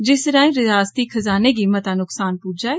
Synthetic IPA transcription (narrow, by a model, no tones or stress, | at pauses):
d͡ʒɪsɾãːĩɾɪaːst̪ikʰɐzaːneɡiːmət̪aːnʊksaːnpuːd͡ʒaːe